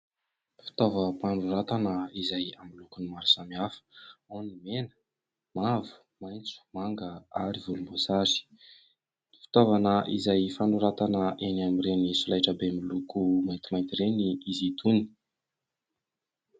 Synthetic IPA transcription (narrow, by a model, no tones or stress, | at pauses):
fi̥t̪ovəpanɖ͡ʐuɾat̪anəizajamilukunimaɾusamiafə̥onimenə̥ | mavu̥ | majnt͡su̥maŋɡəa̰ɾivulumbosazi̥ | fi̥t̪ovanəʔḭzajfanɖ͡ʐuɾat̪anəʔenamiɾenisulajʈ͡ʂəbemilukumajnt̪imajnt̪iɾeniizit̪uni̥